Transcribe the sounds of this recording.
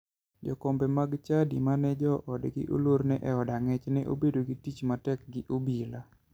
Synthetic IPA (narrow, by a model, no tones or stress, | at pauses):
d͡ʒɔ̰kɔmbɛmaɡt͡ʃadimanɛd͡ʒɔʔɔdɡɪ̰ʔo̰loɾnɛʔɛɔdaŋɛt͡ʃnɛʔo̰bedoɡɪtit͡ʃmatɛk̚ɡɪʔobila